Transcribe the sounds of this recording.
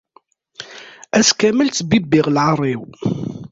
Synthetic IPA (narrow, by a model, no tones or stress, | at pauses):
æskæməlbibɪʁlʕərˤːiw